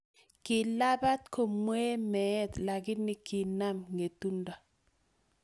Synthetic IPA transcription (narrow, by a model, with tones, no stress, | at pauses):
kɪ˨la˦ba˦t̪̚kʰo˨mwe˦mɛ˨˦t̪la˨ɡɪ˦nɪ˦ki˨na˦mŋe˨tu˦nda˨